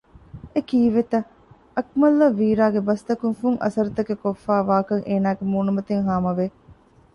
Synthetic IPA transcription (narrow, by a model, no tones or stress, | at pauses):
ekiːʋet̪ɐ | ɐk̚mɐlːɐʋiːɾaːɡebɐst̪ɐkuŋfuŋʔɐ̰sɐɾut̪ɐkekofːæːʋaːkɐŋʔeːnaːɡemuːnumɐt̪eŋɦaːmɐʋe